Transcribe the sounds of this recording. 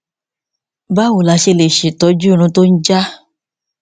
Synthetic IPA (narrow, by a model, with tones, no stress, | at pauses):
ba˦wo˨la˧˦ʃe˧le˨ʃe˨tɔ˨˦d͡ʒu˦ɾ̃ũ˧to˦n̩˦d͡ʒa˦